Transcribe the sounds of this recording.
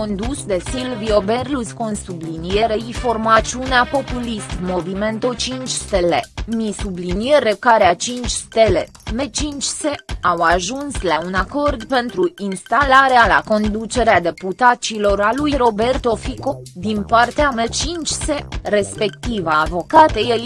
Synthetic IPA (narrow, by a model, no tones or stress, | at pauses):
ond̪usd̪e̞silvioberluskonsublinie̞ɾeifo̞rmat͡ʃiuneapo̞pulist̪mo̞vime̞nt̪ot͡ʃint͡ʃst̪elḛmisublinieɾekaɾeat͡ʃint͡ʃʲst̪e̞le | me̞t͡ʃint͡ʃʲse̞awaʒunslaunako̞rd̪pe̞nt̪ɾuinst̪alaɾeala̰ko̞nd̪ut͡ʃe̞ɾead̪e̞put̪at͡ʃilo̞ɾalujɾo̞be̞rt̪o̞fikod̪inpart̪eamet͡ʃint͡ʃse̞re̞spe̞kt̪ivaːvo̞kat̪ejej